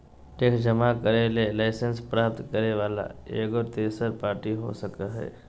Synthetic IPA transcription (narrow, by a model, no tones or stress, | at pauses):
ʈeːkʰd͡ʒəmakəɾelelaɪsənspɾaːp̚t̪kəɾeʋaːla̰ḛːɡɔɾt̪eːsəɾpaːɾʈiɦo̰səkaɦɛ̰ː